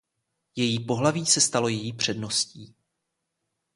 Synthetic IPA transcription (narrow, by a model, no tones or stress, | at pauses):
jɛjiːpo̞ɦlaviːsɛst̪alo̞jɛjiːpr̝̥ɛdno̞sciː